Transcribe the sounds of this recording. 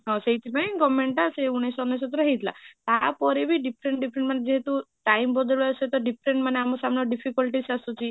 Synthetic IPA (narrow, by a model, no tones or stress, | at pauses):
ɦɔ̃seɦit̪ʰipaj̃kɔmːeɳʈaseuɽ̃esɔnes̬ɔt̪ɔɾɔɦejt̪ʰla̰t̪apɔɾebʱiɖipʰɾeɳʈɖipʰɾeɳʈmaned͡ʒeɦet̪uʈajmbɔd̪ɔɭset̪ɔɖipʰɾeɳʈmaneamɔsamnɔɖipʰikɔlʈisasut͡ʃʰi